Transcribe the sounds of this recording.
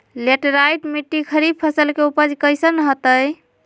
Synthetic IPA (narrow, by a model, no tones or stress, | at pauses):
leʈɾajʈmiʈːikʰəɾib̚pʰəsəlkeupəd͡ʒkəjsənɦot̪əj